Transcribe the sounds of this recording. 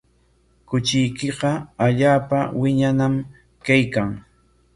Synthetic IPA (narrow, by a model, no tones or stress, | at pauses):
kʊt͡ʃɪjkɪɢɑaʎaːpawɪɲanam | kajkaŋ